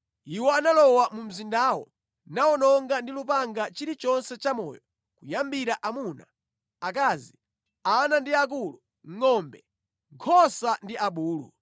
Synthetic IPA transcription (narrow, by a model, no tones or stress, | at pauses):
iwɔanalɔwamum̩zindaːwɔ̰ | naɔnɔŋɡandilupaŋɡat͡ʃiɾit͡ʃɔnsɛt͡ʃamɔːjɔ | kujambiɾaʔamuna̰ | ak̬aːzi | anandiak̬ulu | ŋŋɔmbɛ | ɡʰɔsandiʔaɓuːlṵ